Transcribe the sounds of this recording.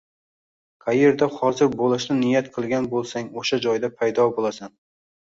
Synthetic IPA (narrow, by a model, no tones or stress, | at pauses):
kʰajeɾd̪ahɒzɪɾbolˠɪʃnɪnɪjat̪qʰɨlˠɡʲanbolˠsaŋoʃad͡ʒɒjd̪apʰajd̪ɒbolˠasan